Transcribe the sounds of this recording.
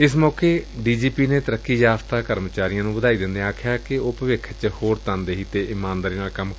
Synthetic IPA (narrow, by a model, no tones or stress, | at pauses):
ɪsmɔːkeːɖiːd͡ʒiːpiːneːt̪əɾəkːiːjaːst̪aːkəɾmət͡ʃaːɾɪijãːnũːbəd̪aːiːd̪ɪnd̪eaːkʰɪjaːkɪʊpəʋɪkʰt͡ʃhoːɾt̪ə̃nd̪eːɦiːt̪eːʔɪmaːnd̪aːɾiːnaːlkəm